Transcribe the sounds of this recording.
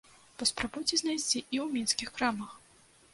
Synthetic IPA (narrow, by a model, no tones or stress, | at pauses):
pɐspɾabujt͡sʲɛznajsʲt͡sʲiiwmʲɛnskʲixkɾamɐx